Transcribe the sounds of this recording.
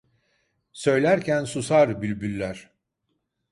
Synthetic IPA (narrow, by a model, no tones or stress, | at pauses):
sø̞jlʲæɾcʰænsusaɾbylʲbylʲːæɾ̥